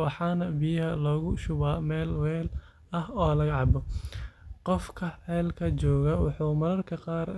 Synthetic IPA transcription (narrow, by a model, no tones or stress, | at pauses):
wɑħɑːnɐbijɐɦɐlɔːɣʊʃʊβaːmɛːlwɛːl | ɐɦɔːlɐɣɐʕɑbɔ | qɔfkʰɐħɛːlkʰɐt͡ʃɔːɣɐwɑħuːmɐlɐrkʰɐqɑːr